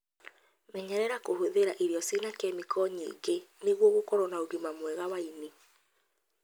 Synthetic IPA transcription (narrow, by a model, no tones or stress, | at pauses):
mɛɲɛɾɛɾakohoðeɾaʔeɾjɔsinakɛmikʰɔɲḭːɡeneɣwɔɣokɔɾɔnaodimamwɛɣawaini